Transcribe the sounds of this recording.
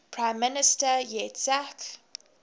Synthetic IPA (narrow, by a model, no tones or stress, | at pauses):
pʰɹãɪ̃mːɪnɪstəjɛtsak